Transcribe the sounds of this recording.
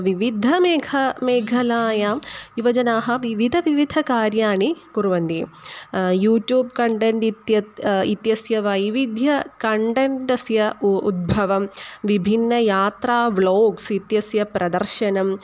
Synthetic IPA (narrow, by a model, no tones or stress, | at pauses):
ʋiʋid̪ʱɐmeːɡʰʱɐmeːɡʱɐlaːjaːjuʋɐd͡ʒɐnaːɦɐʋiʋid̪ʱɐʋiʋid̪ʱɐkaːɾjaːɳikuɾuʋɐnd̪i | juːʈjuːb̚kɐɳʈeɳʈit̪jɐit̪jɐsjɐʋɐjʋid̪ʱjɐkɐɳʈeɳʈɐsjɐṵd̪̚bʱɐʋɐmʋibʱinːɐjaːt̪ɾaːʋloːɡsit̪jɐsjɐpɾɐd̪ɐɾʃɐnɐm